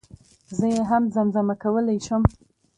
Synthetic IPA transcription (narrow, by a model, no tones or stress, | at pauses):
zəjeɦamzamzamakawəlajʃəm